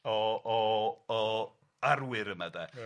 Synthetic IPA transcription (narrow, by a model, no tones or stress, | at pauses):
ɔɔɔ | arwɪɾəmadɛ